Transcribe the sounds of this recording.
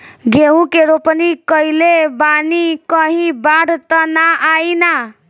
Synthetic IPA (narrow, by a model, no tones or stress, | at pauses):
ɡeɦũkeɾopnikəilebanikəɦĩbaɽʱt̪ənaʔaina